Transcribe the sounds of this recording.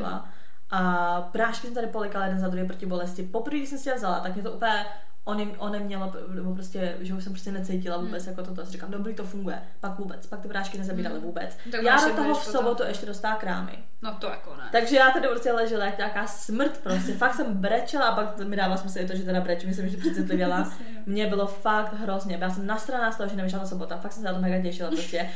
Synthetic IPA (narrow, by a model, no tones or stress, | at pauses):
a̰ | ʔa | pɾaːʃkɪsɛmt̪adɪpolɛkalajɛdɛnzadɾuvjɛpɾocɪbo̞lɛscɪpopr̩viːɡdɪsɛmsɪcɛdavzala̰t̪akmɲɛt̪oʔup̩ɛ | ʔonɛʔonɛmɲɛlo | nɛbop̬ɾoscɛ | ʒɛuʃs̬ɛmpɾoscɛnɛt͡sɛjcɪlavuːbɛt͡sjakot̪ot̪ojasɪɾikaːmdobɾiːt̪ofuŋɡujɛ̰ | pakvuːbɛt͡spak̚t̪ɪpɾaːʃkɪnɛzabiːɾalɪvuːbɛ̰t͡s̪ | jaːsamt̪oɦofssobot̪uʔɛʃcɛdost̪alakɾa̰ːmɪ̰ | nt̪akon̰t̪aɡʒɛjaːt̪adɪpɾoscɛlɛʒɪlajakoɲaːkaːsmr̩t̪pɾos̬cɛfakt̪sɛmbɾɛt͡ʃɛlaʔapak | mɪdaːvalasɛmsɪɪt̪̬oʒɛt̪ɛdabɾɛt͡ʃɛmɲɛsɛmjɛʃ̬dɪprɛt͡sɪt̪lɪvjɛla | mɲɛbɪlofakt̪ɦɾozɲɛbjaːs̬ɛmnast̪ɾanaːxst̪oɦoʒɛnɛvɪʃ̬lat̪as̬obot̪afak̪sɛmsɛat̪omnɛjkɡacɛjʃɪlapoɾoscɛ